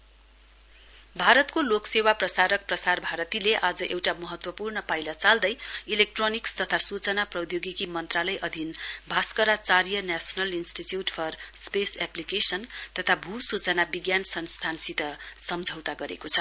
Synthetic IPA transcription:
bʱaɾʌt̪koloksewaprʌsaɾʌk̚prʌsarbʱaɾʌt̪ileʔad͡zʌʔewʈamʌɦʌt̪wʌpurnʌpajlʌt͡sald̪ʌjilek̚ʈronikst̪ʌt̪ʰasut͡sʌnaprʌwd̪joɡikimʌnt̪ralʌjʔʌd̪ʱinbʱaskʌɾat͡saɾijʌnasʌnʌlinsʈitjuʈpʰʌrspesaplikesʌnt̪ʌt̪ʰabʱusut͡sʌnabiɡjansʌnst̪ʰansit̪ʌsʌmd͡zʱʌwt̪aɡʌɾḛkot͡sʰʌ

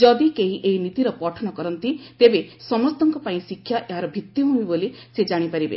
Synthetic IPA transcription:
d͡ʒɔd̪ikeɦiʔeɦinit̪iɾɔpɔʈʰɔnɔkɔɾɔnt̪it̪ebesɔmɔst̪ɔŋkɔpaĩsikʰːjaʔeɦaɾɔbʱit̪jiɦuĩbolised͡ʒaɽ̃ipaɾibḛ

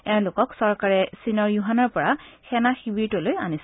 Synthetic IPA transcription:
ɛʊ̃lʊkɔksɔɹkaɹɛsinɔɹjuɦanɔɹpɔɹaxɛnaxibiɹtɔloja̰nis

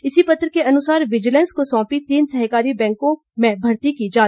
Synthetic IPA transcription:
ɪsipɐt̪ɾəkeʔɐnʊsaːɾʋɪd͡ʒɪlɛ̃nskosɔ̃ːpit̪iːnsɐɦkaːɾibɛ̃ːŋkõ | mẽbʱɐɾt̪ikid͡ʒaː

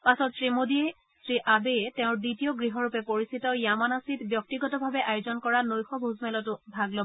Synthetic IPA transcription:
pasɔtsɹimodiɛ | sɹiʔabeɛtɛʊ̃ɹditijɔɡɹiɦɔɹupɛpoɹisitɔjamanasitbjɔk̚tiɡɔtɔbʱabɛʔajʊzɔnkɔɹanojxɔbʱuzmɛlɔtʊbʱaɡlɔbɔ

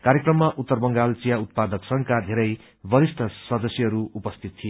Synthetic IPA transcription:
kaɾjekrʌmːaʔut̪ːʌrbʌŋɡalt͡sijaut̪̚pad̪ʌksʌŋkad̪ʱeɾʌj | bʌɾist̪ʰʌsʌd̪ʌsjʌɦʌɾuupʌst̪ʰit̪t̪ʰːijo

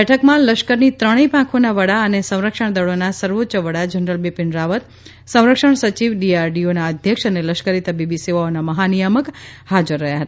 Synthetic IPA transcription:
bɛʈʰəkmãləʃkəɾnit̪ɾəɽ̃ipãkʰonaʋəɽaənesə̃w̃ɾəkʃəɳ̃d̪əɭonasəɾʋotːt͡ʃəʋəɽad͡ʒənɾəlbipɪɳɾaʋət̪ | sə̃w̃ɾəkʃəɳsət͡ʃiʋɖiaɾɖionaəd̪ʱjəkʂəneləʃkəɾit̪əbibiseʋaonaməɦanijəməkhad͡ʒəɾːəɦjaɦət̪a

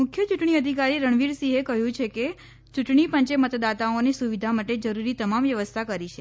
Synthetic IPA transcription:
mʊkʰjət͡ʃuʈɳ̃iəd̪ʱikaɾiɾəɳ̃ʋiɾsiɦekəɦjũt͡ʃʰeke | t͡ʃuʈɳipəɲt͡ʃemət̪d̪at̪aonisuʋid̪ʱamaʈed͡ʒəɾuɾit̪əmamʋjəʋəst̪ʰakəɾit͡ʃʰe

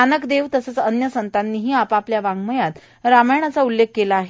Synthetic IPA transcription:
anəkd̪eʋt̪əsət͡sənjəsənt̪anːiːɦiːapapljaʋãŋɡməjat̪ | ɾaməɳ̃at͡saulːekːelaːɦe

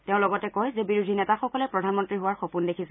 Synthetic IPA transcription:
teʊ̃lɔɡɔtɛkɔjzɛbiɹudʱinɛtaxɔkɔlɛpɹɔdʱanmɔntɹiɦʊwaɹxopundekʰisɛ

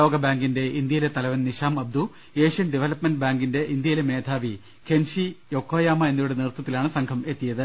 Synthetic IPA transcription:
o̞ːɡɐbaːŋɡinde̞ind̪jɐjilet̪ɐlɐʋɐnniɕaːmɐb̚d̪u | e̞ːʂjɐnɖiʋelɐpmenɖɨbaːŋɡinde̞ʔind̪jɐjleme̞ːd̪ʱaːʋi | kʰe̞nʂijo̞kʰːoːjaːmɐe̞nːujuɽenirt̪ːɐt̪ːilaːɳɨsɐŋkʰɐme̞t̪ːijɐðɨ

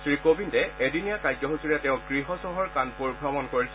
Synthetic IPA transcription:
sɹikobintɛedinijakajzɔɦusuɹɛtɛʊ̃ɡɹiɦɔsɔɦɔɹkanpuɹɡʱɹɔmɔnkoɹis

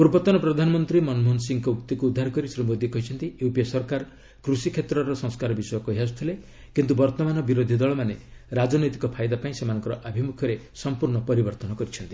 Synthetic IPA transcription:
puɾbɔt̪ɔnɔpɾɔd̪ʱanɔmɔnt̪ɾimɔnmunsiŋkɔukt̪ikuːd̪ʱːaɾɔkɔɾisɾimod̪ikɔɦit͡ʃʰɔnt̪ijupiɔsɔɾkaɾ | kɾusikʰet̪ɾɔɾɔsɔŋskaɾɔbisɔjɔkɔɦiɦas̬u̥t̪ʰile | kint̪ubɔɾt̪ɔmanɔbiɾod̪ʱid̪ɔɭɔmaneɾad͡ʒɔnɔjt̪i̥kɔpʰajd̪apaĩsemanɔŋkɔɾɔʔabʱimukʰɔɾe | sɔmpuɾɳɔpɔɾibɔɾt̪ɔnɔkɔɾit͡ʃʰɔnt̪i̥

